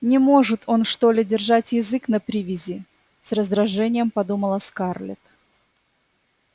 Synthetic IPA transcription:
nʲɪmo̞ʐɨt̪ʰo̞nʂt̪o̞lʲɪdʲɪrʐatʲjɪzɨknəpɾʲivʲɪzʲɪ | srəzd̪ɾɐʐɛnʲɪjəmpɐd̪uməlˠəskarlʲɪ̰t̪

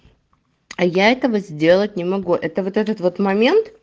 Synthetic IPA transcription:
ɐjaɛt̪əvəzʲdʲe̞lˠət̚ʲnʲɪmɐɡuʔɛt̪əvot̪ɛt̪ət̪vo̞t̪mɐmʲe̞nt̪

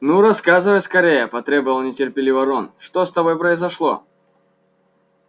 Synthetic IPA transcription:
nuɾɐskazɨvəjskɐɾʲejəpɐt̪ɾʲebəvɐlˠnʲɪtʲɪrpʲɪlʲɪvɐɾonʂt̪ost̪ɐbo̞jpɾəɪzɐʂlˠo̰

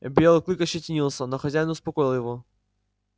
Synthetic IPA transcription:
bʲelˠɨklʲikəɕɪtʲɪnʲilˠsʲənoxɐzʲæjɪnʊspɐkojɪlˠjɪvo

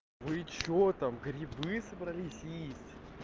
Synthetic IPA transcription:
vɨɪt͡ɕːot̪amɡɾʲɪbɨsəbɾɐlʲisʲisʲ

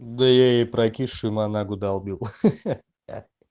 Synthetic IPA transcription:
d̪əjejepɾɐkʲiʂɨmanaɡʊd̪ɐlˠbʲilˠ

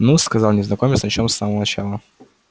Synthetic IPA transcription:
nuskɐzalˠnʲɪznɐkomʲɪsnɐt͡ɕomsːaməvənɐt͡ɕalˠə

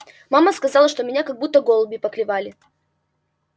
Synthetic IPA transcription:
maməskɐzɑlˠəʂt̪omʲɪnʲakɐɡ̚but̪ːəɡolˠbʲɪpəklʲɪvalʲɪ

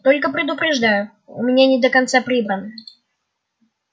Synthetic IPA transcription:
t̪o̞lʲkəpɾʲɪd̪ʊpɾʲɪʐd̪ajʊ | ʊmnʲenʲɪd̪əkɐnt̪sapɾʲibɾənə

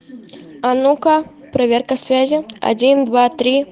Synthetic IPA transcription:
anukɐ | pɾavʲɛrkɐsʲvʲazʲia̰d͡zʲind̪vat̪ɾʲi

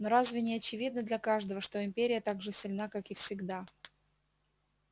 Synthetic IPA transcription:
noɾazvʲɪnʲɪɐt͡ɕɪvʲid̪̚nəd̪lʲɐkaʐd̪əvəʂt̪oɪmʲpʲeɾʲɪjət̪aɡʐɨsʲɪlʲnakakɪfsʲɪɡd̪a

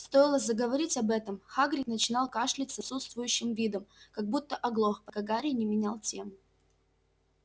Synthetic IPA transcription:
st̪o̞jɪlˠəzəɡəvɐɾʲitʲɐbɛt̪əmxaɡɾʲɪknət͡ɕɪnɑlˠkaʂlʲɪtʲsɐt̪sut̪st̪vʊjʉɕːɪmvʲid̪əmkɐɡ̚but̪ːəʔɐɡlˠoxpəkɐɡaɾʲɪnʲɪmʲɪnʲalˠtʲe̞mʊ

